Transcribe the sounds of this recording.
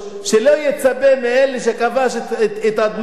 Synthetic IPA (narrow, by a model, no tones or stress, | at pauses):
ʃelojet͡sabemeeleʃ̬ekavaʃet̪ad̪m